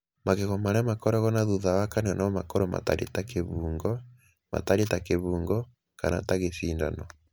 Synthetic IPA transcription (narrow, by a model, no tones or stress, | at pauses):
maɣeɣɔmaɾɛmakɔɾɔɣɔnaðuðawakaneɔnaɔma̰kɔɾɔma̰ta̰ɾḛtakeβuːŋɡɔ | ma̰taɾitakeβuːŋɡɔ | kana̰taɣeθiːnda̰nɔ